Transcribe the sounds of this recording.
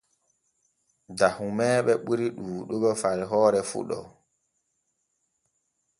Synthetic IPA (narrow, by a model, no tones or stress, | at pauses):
dahumɛːɓɛɓuɾiɗuːɗuɡɔfaɾiɦɔːɾɛfṵɗɔ̰